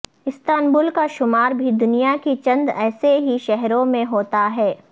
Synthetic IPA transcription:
ɪst̪aːnbʊlkaʃʊmaːɾbʱid̪ʊnijakit͡ʃɐ̃nd̪ɛːseɦiʃɛɦɾõmẽɦoːt̪aɦɛː

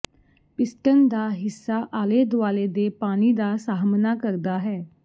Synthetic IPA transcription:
pɪsʈənd̪aːɦɪsːaːʔaːleːd̪ʊʋaːleːd̪eːpaːñiːd̪aːsaːɦmnaːkəɾd̪aːɦɛː

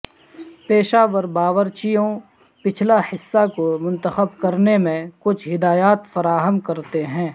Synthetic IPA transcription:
peːʃaːʋəɾbaːʋəɾt͡ʃijõ | pɪt͡ʃʰlahɪsːakomʊ̃nt̪əxəbkɐɾnemẽkʊt͡ʃʰɦɪd̪aːjaːt̪fɐɾaːɦəmkɐɾt̪eɦɛ̃ː

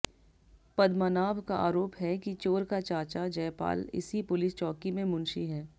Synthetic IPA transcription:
pɐd̪manaːʋkaʔa̰ːɾoːpɦɛkit͡ʃoːɾkat͡ʃaːt͡ʃad͡ʒɛːpa̰ːlɪ̰sipʊlɪst͡ʃɔːkimẽmʊ̃nʃiɦɛː

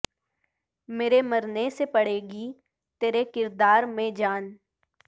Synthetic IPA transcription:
meːɾeməɾnesepɐɽ̤eːɡi | t̪eːɾekɪɾd̪aːɾmẽd͡ʒaːn

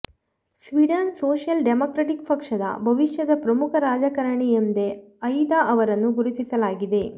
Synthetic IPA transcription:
sʋiɖɐnsoːʂjɐlɖemoːkɾɐʈikpɐkʂɐd̪ɐ̰bʱɐʋiʂjɐd̪ɐpɾɐmukʰɐɾaːd͡ʒɐkɐɾɐɳiend̪eɐjd̪aɐʋɐɾɐnːuɡuɾut̪isɐlaːɡid̪e̞

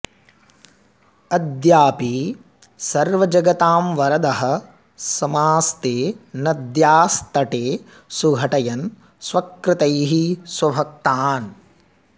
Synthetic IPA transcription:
ɐd̪jaːpi | sɐɾʋɐd͡ʒɐɡɐt̪aːmʋɐɾɐd̪ɐɦɐ̆ | sɐmaːst̪eːnɐd̪jaːst̪ɐʈeː | suɡʱɐʈɐjɐn | sʋɐkɾɪt̪ɐjɦiswɐbʱɐk̚t̪aːn

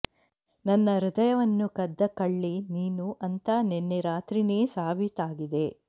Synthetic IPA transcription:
nɐnːɐɾud̪ɐjɐʋɐnːukɐd̪ːɐkɐɭːiniːnuʔɐnt̪ɐnenːeɾaːt̪ɾineːsaːbʱit̪aːɡid̪e̞

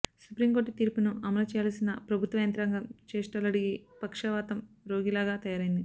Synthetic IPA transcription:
supɾimko̞ːɾʈt̪iːɾpunuɐmɐlɐt͡ʃɛːjaːlɐsinɐpɾɐbʱut̪ʋɐjɐnt̪ɾaːŋɡɐmt͡ʃeːʂʈɐlɐɽiɡipɐkʂɐʋaːt̪ɐm | ɾo̞ːɡilaːɡaːt̪ɐjaːɾɐjind̪i

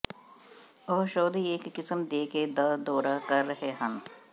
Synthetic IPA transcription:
ɔːʃɔːd̪ʱieːkːɪsəmd̪eːked̪ɐd̪ɔːɾakɐɾːɐɦeɦɐ̃m

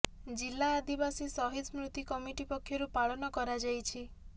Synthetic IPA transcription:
d͡ʒilːaːd̪ibasisɔɦit̪mɾut̪ikɔmiʈipɔkʰːjɔɾupaɭɔnɔkɔɾad͡ʒajt͡ʃʰi

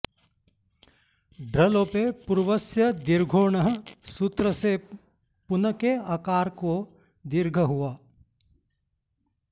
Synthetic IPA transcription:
ɖɾɐloːpepuɾʋɐsjɐd̪iɾɡʱoːɳɐɦəsut̪ɾəse | pʊnəkeɐkaːɾko | d̪iɾɡʱəɦuʋaː

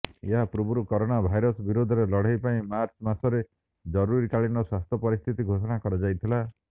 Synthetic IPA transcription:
eɦapɾubʱuɾukɔɾoɽ̃abʱajɾɔsɔbiɾod̪ʱɔɾelɔɽ̤ajpaĩmaɾt͡ʃmasɔɾe | d͡ʒɔɾuɾiʈaɭinɔswast̪ʰjɔpɔɾist̪ʰit̪iɡʱosɔɽ̃akɔɾad͡ʒajt̪ʰila

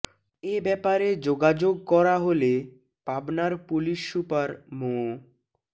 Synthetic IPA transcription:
ebɛpaɾed͡ʑoɡad͡ʑoɡ̚kɔɾaɦole | pabnaɾpuliʃːupaɾmo

